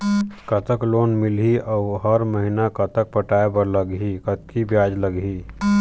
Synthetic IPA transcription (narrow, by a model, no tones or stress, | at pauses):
kət̪əkloːnmɪlɦiʔɔːɦəɾməɦinakət̪ək̚pəʈaːepəɾləɡɦikət̪̚kʰibjaːd͡ʒləɡɦiː